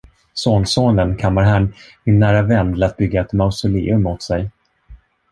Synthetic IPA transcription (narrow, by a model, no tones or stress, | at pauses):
soːnsoːnənkʰamːaɾɦanmɪnːæːɾavɛnd̪lat̪̚bʏɡːaɛt̪maʊsʊlḛːɵmːʊt̪sɛj